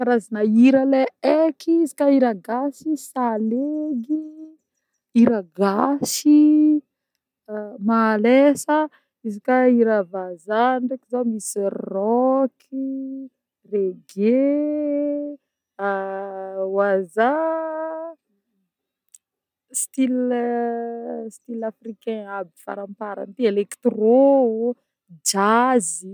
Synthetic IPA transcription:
kaɾazinaiɾaleekʰiizikaiɾaɡasisaleɡi | iɾaɡasi | malesə | izikaiɾavazanrekizamisirɔkʰi | reɡe | waza | st̪il | st̪ilafrikɛ̃abifa̰ɾãmpaɾa̰nt̪ielekt̪ro | d͡ʒazi

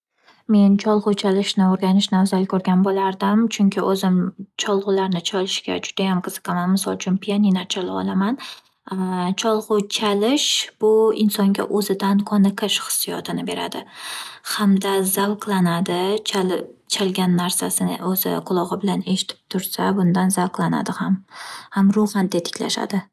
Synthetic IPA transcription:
me̞nt͡ʃʰɒlˠʁʊt͡ʃʰalɪʃnɪoɾɡʲanɪʃnawzalkʰɵɾɡʲanbolaɾd̪ɪmt͡ʃʰʊŋkʲʰɪʔɵzɪmt͡ʃʰɒlˠʁʊlaɾnɪt͡ʃʰɒlɪʃɡʲa̰d͡ʒʊd̪ajamqʰɨz̥ɨ̥qʰɑmanmɪsɒ̰lˠt͡ʃʰʊnpʰijaninat͡ʃʰalɪɒ̰lˠaman | t͡ʃʰɒlˠʁʊt͡ʃʰalɪʃb̥ʊɪnsɒŋɡʲa̰ʔɵzɪd̪ankʰɒnɨqʰɨʃχɨ̥sːijɒ̰t̪ʰɪnɪbe̞ɾa̰d̪ɪhamd̪azalqlˠanad̪ɪ | t͡ʃʰalɡʲanːaɾsasɪnɪ̰ʔɵzɪ̰qʰʊlˠɒʁɪbɪlane̞ʃɪ̥t̪ʰɪ̥p̚t̪ʰʊɾsabʊnd̪anzalqlˠana̰d̪ɪhamhamɾoχand̪et̪ʰɪ̥kʲla̰ʃa̰d̪ɪ

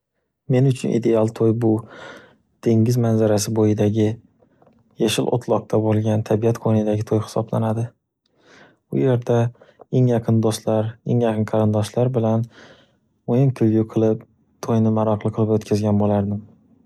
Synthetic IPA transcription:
me̞nʊt͡ʃʰʊnʔḭd̪e̞alˠt̪ʰojbʊ | d̪̥ʰe̞ŋɡɪzmanzaɾasɪbojɪd̪aɡʲɪ | jaʃɪlʔo̰t̪ʰlˠɒq̚t̪ʰabolˠɡʲant̪ʰabijat̪qʰonɪd̪aɡʲɪt̪ʰojχɪ̥sɒbla̰nad̪ɪ | ʊ̰je̞ɾd̪ae̞ŋjɑqʰɨnd̪ost̪laɾe̞̰ŋjɑqʰɨnqʰɑɾɪnd̪ɒʃlaɾbɪlan | mojɪmkʲʰɵvjʊqʰɨlˠɪp̚ | t̪ʰojnɪmaɾɑqʰlˠɨqʰɨlˠɪpot̪kʲʰazɡʲanbolaɾd̪ɪm

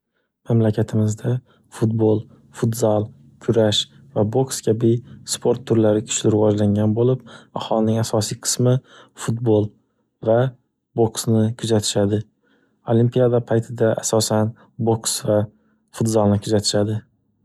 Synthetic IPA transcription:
mamlakʲʰat̪ʰɪmɪzd̪a | fut̪̚bolˠ | fut̪zalˠ | kʲʰʊɾaʃ | vabokskʲʰabɪspʰo̞ɾt̪ʰːʊɾlaɾɪkʲʰʊ̥t͡ʃʰlɪɾɪvɒd͡ʒlaŋɡʲanbolɪpahɒlˠɪnɪŋasɒsijqʰɨ̥smɪ | fut̪̚bolˠ | va | boksnɪkʰʊzat̪ʰɪ̥ʃad̪ɪ | olimpijad̪apʰajt̪ʰɪd̪aʔasɒsan | boksva | fʊt̪zalˠnɪkʰʊzat̪ʰɪ̥ʃad̪ɪ

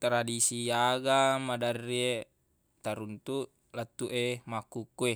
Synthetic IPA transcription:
t̪ɾadisiaɡamadarːie | t̪aɾunt̪u | lat̪ːuʔemakːukːue

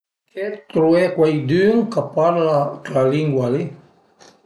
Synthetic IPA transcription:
kɛt̪ɾuɛkwajd̪yŋkapaɾlalaliŋɡwali

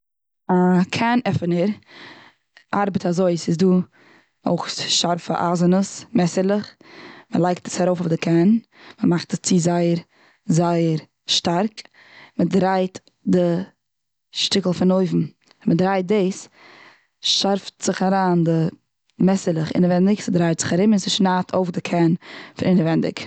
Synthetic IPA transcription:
akʰanɛfənəɾ | ʔaɾbətazoɪsɪsduː | o̰ʊχʃaɾfə̰ʔa̰ːzənəsmɛsəɾlˠəχ | məlˠaɪk̚tə̥saɾoʊfʊfdɪkʰɛn | məmaχtəst͡sizaɪəɾ | zaɪəɾ | ʃtaɾk | mədɾaɪt | dɪ | ʃtɪkl̩ˠfɪnoɪvm̩ | mədɾaɪt̚deɪs | ʃaɾftz̥ɪχaɾaːndɪ | mɛsəlˠəχɪ̰nəvɛndɪksɪdɾaɪtz̥ɪχaɾɪmɪnsɪʃnaːtʰoʊfdɪkʰɛnfɪnɪnəvɛndɪ̰k

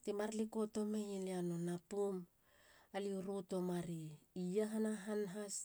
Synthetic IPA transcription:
timaɾliko̞to̞mejeliano̞napum | aliuɾuto̞maɾiijaɦanaɦanɦas

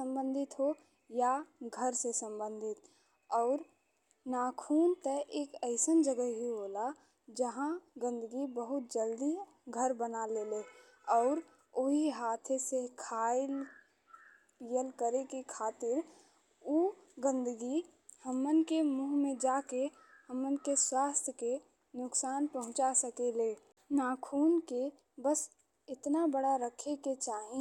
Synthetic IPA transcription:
sə̃mbə̃nd̪ʱɪt̪ɦo | jaɡʱəɾsesə̃mbə̃nd̪ʱɪt̪ | ɔːɾ | naːkʰuːnt̪əʔeːkəɪsənd͡ʒəɡəɦiɦola | d͡ʒəɦãɡə̃nd̪əɡibəɦʊt̪̚d͡ʒəld̪i | ɡʱəɾbənalele | ɔːɾ | oɦiɦaːt̪ʰesekʰaːɪl | pijəlkəɾekekʰaːt̪ɪɾ | u | ɡə̃nd̪əɡi | həmːənkemuːɦmẽd͡ʒaːke | həmənkeswaːst̪ʰjəke | nʊksaːnpəɦʊ̃t͡ʃasəkele | naːkʰuːnke | bəs | ɪt̪nabəɽaɾəkʰeket͡ʃaːɦĩ

